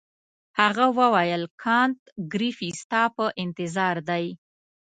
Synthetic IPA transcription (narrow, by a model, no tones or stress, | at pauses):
haɣawəwajəlkʰɑnt̪ɡɾifist̪ɑpəʔɪnt̪ɪzɑɾd̪aj